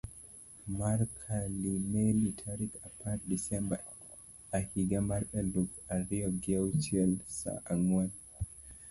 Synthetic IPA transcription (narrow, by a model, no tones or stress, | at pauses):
maɾkʰalimɛlitʰaɾikapʰat̚disɛmba | ahiɡamaɾɓɛlukaɾiɔɡɛwtʰiɛlsa̰ʔaŋwan